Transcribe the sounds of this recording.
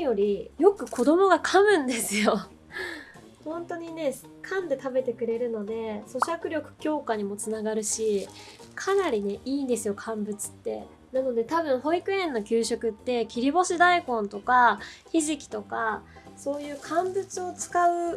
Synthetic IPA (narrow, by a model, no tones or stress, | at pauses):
jo̞ɾʲijo̞kɯ̟kʰo̞d̪o̞mo̞ɡakʰamɯ̟̃nd̪e̞sɨjo̞ | hõ̞nt̪o̞ɲ̟ine̞ | kʰãnd̪e̞t̪abe̞t̪e̞kɯ̟ɾe̞ɾɯ̟no̞d̪e̞so̞ɕakɯ̟ɾʲjo̞kɯ̟̥kʲo̞ːkaɲ̟imo̞t͡sɨnaɡaɾɯ̟ɕikʰanaɾʲine̞ʔiːnd̪e̞sɨjo̞kʰãmbɯ̟t͡sɨ̥t̪ːe̞̰ | nano̞d̪e̞t̪aβɯ̟̃ɰ̃ɦo̞ikɯ̟ẽ̞nːo̞kʲɨːɕo̞kɯ̟t̪ːe̞kʲiɾʲibo̞ɕid̪aikõ̞nt̪o̞kaçiʑikʲi̥t̪o̞ka | so̞ːjɯ̟ːkʰãmbɯ̟t͡sɨo̞t͡sɨ̥kaɯ̟